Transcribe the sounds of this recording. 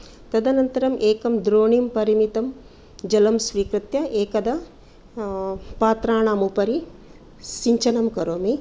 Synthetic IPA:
t̪ɐd̪ɐnɐnt̪ɐɾɐmʔeːkɐmd̪ɾoːɳimpɐɾimit̪ɐm | d͡ʒɐlɐmsʋiːkɾɨt̪jɐʔeːkɐd̪ɐ | paːt̪ɾaːɳaːmupɐɾi | siɲt͡ʃɐnɐmkɐɾoːmi

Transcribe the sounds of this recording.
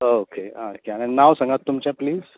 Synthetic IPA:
okʰeã̰okeañinaʋsə̃ŋɡat̪ːumt͡ɕãpliːz

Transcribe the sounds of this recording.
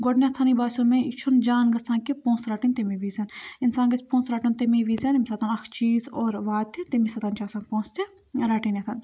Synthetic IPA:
ɡoɖnʲet̪ʰanibaːsʲoːmẽt͡ʃʰund͡ʒaːnɡɐsãːkipõːnsɾaːʈint̪emiʋiːzɐninsãːŋɡɐsʲpõːsɾaːʈunt̪emiʋiːzɐnimsɐt̪ʰanɐkʰt͡ʃiːzoːɾʋaːt̪ʰːint̪emisɐt̪ʰant͡ʃaːsaːnpõːst̪ʰe | ɾaːʈinet̪ʰan

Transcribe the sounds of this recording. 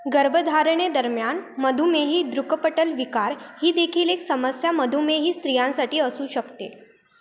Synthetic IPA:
ɡəɾbəd̪ʱaɾɳed̪əɾmjanməd̪ʱumeɦiːd̪ɾukəpəʈəlʋikaɾhiːd̪ekʰiːleksəməsjaməd̪ʱumeɦiːst̪ɾijãnsaʈiːəsuːɕəkt̪ḛ

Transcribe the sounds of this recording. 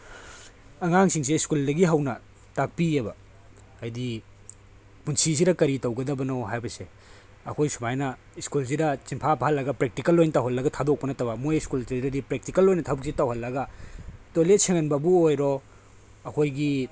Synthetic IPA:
ɐŋaŋsiŋs̬eskuldɐɡiɦɐwnɐ | tak̚piebɐː | jdi | punsis̬iɾɐkɐɾitɐwɡɐdɐbɐnoɦajbɐse | ɐkʰojsumajnɐ | iskuls̬idɐt͡ʃimpʰapʰaɦɐlːɐɡɐpɾek̚tikɐlːojnɐtawɦɐlːɐɡɐtʰadok̚pɐnɐtɐbɐmojiskultɾedɐɾipɾek̚tikɐlːojnɐtʰabuk̚sitawɦɐlːɐɡɐtolet̚seŋɐnbɐbuojɾo | ɐkʰojɡi

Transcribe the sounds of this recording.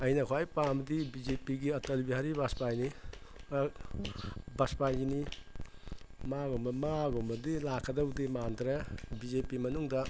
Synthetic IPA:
ɐjnɐkʰoajpamdibid͡ʒepiɡiɐtɐlbiɦaɾibaspajni | baspajini | maɡɔmbɐmaɡɔmbɐdilakʰɐdɐwdimand̪ɾebizepimɐnuŋdɐ

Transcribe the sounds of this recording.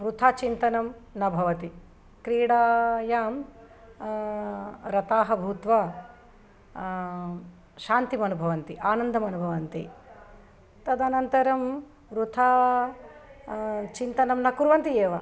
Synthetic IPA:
ʋɾut̪ʰaːt͡ʃint̪ɐnɐmnɐbʱɐʋɐt̪i | kɾiːɽaːjaːm | ɾɐt̪aːɦɐbʱuːt̪ʋa | ʃaːnt̪imɐnubʱɐʋɐnt̪iʔaːnɐnd̪ʱɐmɐnubʱɐʋɐnt̪ḭ | t̪ɐd̪anɐnt̪ɐɾɐm | ɾut̪ʰaː | t͡ʃint̪ɐnɐmnɐkuɾʋɐnt̪ieːʋɐ

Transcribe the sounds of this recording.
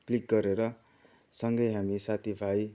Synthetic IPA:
klik̚ɡʌɾeɾʌ | sʌŋɡʌjɦamisat̪ʰibʱaj

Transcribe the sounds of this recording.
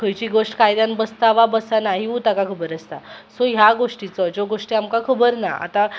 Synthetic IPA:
kʰəjt͡ɕiɡoʂʈkajd̪anbəst̪aʋabəsanaɦiut̪akakʰəbəɾəst̪asoɦjaɡoʂʈit͡sɔd͡ʑoɡoʂʈiamkakʰəbəɾna̰a̰t̪a

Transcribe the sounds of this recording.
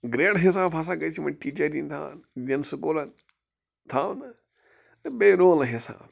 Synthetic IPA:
ɡɾeːɽɦis̬aːbas̬aːɡɐt͡ʃʰimɐʈiːt͡ʃɐɾint̪ʰa̰ːnd̪ʲɐnsukuːlɐn | t̪ʰaːʋn | t̪ɨbeːɾoːlɐɦisa̰ːb

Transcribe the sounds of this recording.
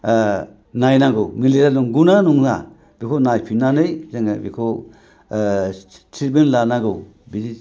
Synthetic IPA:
najnaɡɯwmiliɾanuŋɡunanuŋna̰ | b̥ikʰonajpʰinanɯjzeŋabḭkʰo | tʰiɾbenlanaɡɯw | bizi

